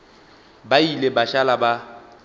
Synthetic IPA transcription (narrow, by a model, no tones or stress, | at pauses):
bailebaʃalaba